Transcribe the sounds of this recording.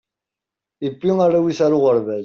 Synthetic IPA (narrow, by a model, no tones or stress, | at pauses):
ibːiŋaɾawiθaɾʊʁəɾvæl